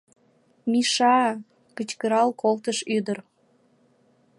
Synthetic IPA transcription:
miʃɑ | kət͡ɕkəɾɑlkolt̪əʃyd̪ər

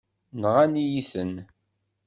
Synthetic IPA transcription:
nʁænijiθən

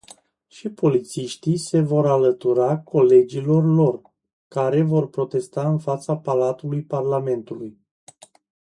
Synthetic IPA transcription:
ʃipo̞lit̪siʃt̪ise̞vo̞ɾalət̪uɾako̞le̞d͡ʒilo̞rlo̞r | kaɾe̞vo̞rpɾo̞t̪e̞st̪aɨnfat̪sapalat̪ulujparlame̞nt̪uluj

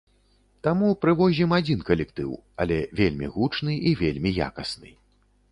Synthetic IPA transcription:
t̪amupɾɨvɔʑʲimad͡zʲinkɐlʲɛkt̪ɨ̰wɐ̰lʲɛvʲelʲmʲḭɣut͡ʂnɨʔivʲelʲmʲija̰kɐsnɨ̰

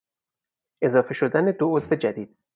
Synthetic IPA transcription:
ʔe̞zɒːfe̞ʃo̞d̪æne̞d̪oozfe̞d͡ʒæd̪iːd̪̥̚

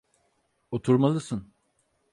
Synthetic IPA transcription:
ot̪ʰuɾmalˠɯsɯn

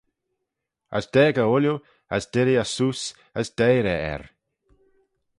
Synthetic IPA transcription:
ə̰sd̥ɛːɡəʊlju | əsd̥ɪɾiasus | əsd̥ejɾɛɛ̰ɾ

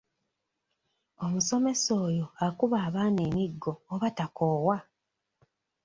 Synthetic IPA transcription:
o̞muso̞me̞so̞ːjo̞akuβaːβaːne̞ːmiɡːo̞ːβatakʰoːwa

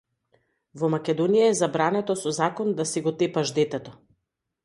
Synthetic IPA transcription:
vɔmakʲɛd̪ɔnijaɛzabɾanɛt̪ɔsɔzakɔnd̪asɛɡɔt̪ɛpaʒd̪ɛt̪ɛt̪ɔ

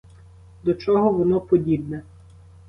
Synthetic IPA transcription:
d̪ɔt͡ʃɔɦɔʋɔnɔpɔdʲibnɛ

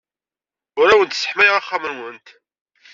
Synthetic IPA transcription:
ʊɾæwənt̪sə̥ħmæjʁaχːamənwənt̪

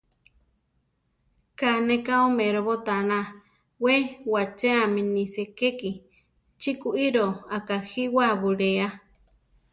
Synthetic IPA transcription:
kanekaomeɾoβot̪anã | wewat͡ʃeamĩnisekeki | t͡ʃikuʔiɾoakahiwaβuɺea

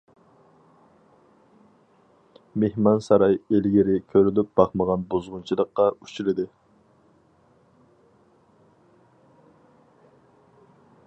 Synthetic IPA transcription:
mehmɑnsɑɾɑjelɡʲiɾɪkʲʰøɾylyp̚b̥ɑχməʁɑnbozʁʊnt͡ʃʰilˠəqːɑy̥t͡ʃilɪd̪ɪ

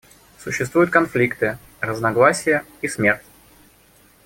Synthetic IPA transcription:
sʊɕːɪst̪vujʊt̪̚kɐnflʲikt̪ɨ | rəznɐɡlˠasʲɪjə | ismʲe̞rtʲ

